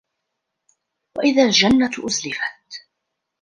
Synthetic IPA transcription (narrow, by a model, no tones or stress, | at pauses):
waʔɪðaːld͡ʒanːat̪ʔʊzlɪfat̪̚